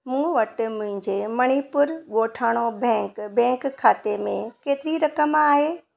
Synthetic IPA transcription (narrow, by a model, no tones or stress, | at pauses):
mũːʋɐʈmʊ̃ɦɪ̃ɲd͡ʑemɐɽ̃ipʊɾɠoːʈʰaːɽ̃obʱɛ̃ːkbɛ̃ːŋkkʰːaːt̪emẽkeːt̪ɪɾiɾɐkəmaːɦeː